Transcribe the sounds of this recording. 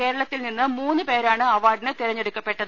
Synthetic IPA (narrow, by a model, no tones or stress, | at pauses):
ke̞ːɾɐɭɐt̪ːilninːɨmuːnːɨpe̞ːɾaːɳɨɐʋaːɖɐnɐt̪iɾɐɲːeɽukːɐpːe̞ʈːɐðɨ